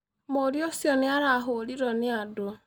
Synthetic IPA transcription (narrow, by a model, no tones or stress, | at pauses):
moɾjosiɔnɪaɾaɦoliɾɔnɪado